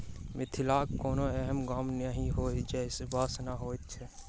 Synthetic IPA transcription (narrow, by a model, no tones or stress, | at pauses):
mɪt̪ʰɪlaːkːoːnoɛɦəmɡaːmnaɦĩɦoːid͡ʒɛsɪbaːsnaɦoːit̪t͡ʃʰe